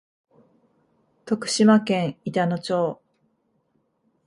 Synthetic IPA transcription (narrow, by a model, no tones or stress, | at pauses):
t̪o̞kɯ̟̥ɕimakẽɰ̃it̪anot͡ɕoː